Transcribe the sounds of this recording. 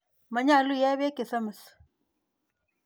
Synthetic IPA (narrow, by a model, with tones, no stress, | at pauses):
ma˨ɲa˦˨lu˦ja˦βe˦ke˨sa˦mə˨s